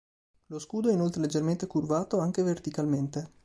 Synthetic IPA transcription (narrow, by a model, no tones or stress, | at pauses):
loskuːd̪oɛinolt̪ɾeled͡ʒːerment̪ekurvaːt̪oaŋk̟evert̪ikalment̪e